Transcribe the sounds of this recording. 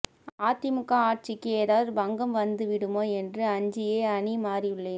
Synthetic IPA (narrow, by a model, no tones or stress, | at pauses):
aːt̪ɪmɯkːaːaːʈ̚t͡ʃɪkːɯeːɾaːðɐɾbɐŋɡɐmʋɐnd̪ɯʋɪɽɯmoːɛndrɯɐɲd͡ʒɪjeːɐɳimaːriɯɭːɐ